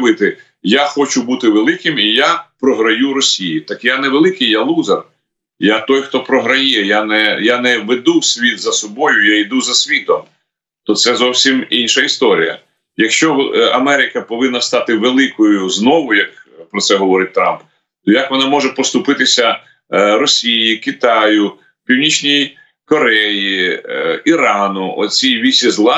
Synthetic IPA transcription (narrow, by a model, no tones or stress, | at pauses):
ʋɪt̪ɪ | jaxɔt͡ʃʊbut̪ɪʋelˠɪkɪmijapɾɔɦɾɐjuɾɔsʲijit̪ɑkjanɛʋelˠɪkɪjjalˠuzɐr | jat̪ɔjxt̪ɔpɾɔɦɾɐjɛjanɛjanɛʋed̪usʲʋʲit̪zɐsɔbɔjʊjaid̪uzɐsʲʋʲit̪ɔm | t̪ɔt̪sɛzɔwsʲiminʲʃɐist̪ɔɾʲḭjɐ̰ | jɐkʃt͡ʃɔɐmɛɾʲɪkɐpɔʋɪnːɐst̪ɑt̪ɪʋelˠɪkɔjʊznɔʋʊjɐkpɾɔt̪sɛɦɔʋɔɾɪt̪̚ʲt̪ɾɑ̰mp | t̪ɔjɐkʋɔnɑmɔʒɛpɔst̪ʊpɪt̪ɪsʲɐ | ɾɔsʲijikɪt̪ɑjʊ | pʲiwnʲit͡ʃnʲij | kɔɾɛji | iɾɑnʊʔɔ̰t͡sʲijʋʲisʲizlˠɑ